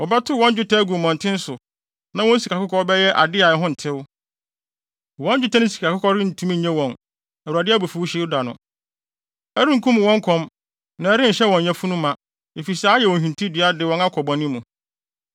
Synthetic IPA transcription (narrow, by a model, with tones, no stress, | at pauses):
ɔ˨ba˦tʰʊ˦wɔ̃˦n˦d͡ʑᶣʊ˦tʰa˦ɡu˨mɔ̃˨n̩˨tʰɪ̃˦n̩˦sʊ˨ | nã˨wɔ̃˦n̩˦si˨ka˨kʊ˦kʰɔ˦bɛ˦jɛ˦ʔa̰˨dɪ˦a˨ɛ˨˦ɦʊ̃˦n̩˨tʰɪ˦wʊ˦ | wɔ̃˦n˦d͡ʑᶣʊ˦tʰã˦nɪ̃˦si̥˨ka˨kʰʊ˦kʰɔ˦ɾɪ˦n̩˨tʰũ˦mĩ˦˨ɲɛ̃˦wɔ̃˨n | æ˨wu˨ɾa˨dɪ˦a˦˨bo˨fu˨wu˦ɕɛ˦da˨nʊ̰̃˨ | æ˦ɾĩ˦ŋ̩˨kʰũ˦m˨wɔ̃˦ŋ˦kʰɔ̃˦m | nã˨ɛ˦ɾɪ̃˦˨ɕɛ˦wɔ̃˨ɲ˨ɛ̃˦fũ˦nũ˦mã˨ | e˨fi˨sa˦jɛ˨wɔ̃˨ɦᶣĩ˨n˨tʰĩ˦dɪ˨˦a˦dɪ˨wɔ̃˨˦na˦kʰɔ˨bɔ̃˨nĩ˦mːũ˨